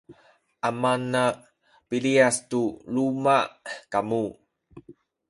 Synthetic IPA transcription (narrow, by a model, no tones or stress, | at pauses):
ʔamana | piliastulumakamu